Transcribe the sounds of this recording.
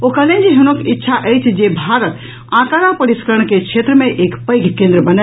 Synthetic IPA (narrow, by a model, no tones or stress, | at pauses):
okəlẽnd͡ʒiɦunokitːʃʰaʔəjt͡ʃʰd͡ʒebʱaɾət̪ | ãkaɾãpəɾiskəɾəɳ̃kekʰet̪ɾəmẽʔeːkpəjɡʱkẽnd̪ɾəbənə